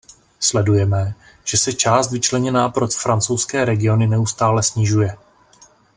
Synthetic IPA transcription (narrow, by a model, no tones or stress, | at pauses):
slɛdujɛmɛ | ʒ̥ɛsɛt͡ʃaːst̪vɪt͡ʃlɛɲɛnaːpɾot̪fɾant͡sowskɛːɾɛɡɪo̞nɪnɛust̪aːlɛsɲɪʒujɛ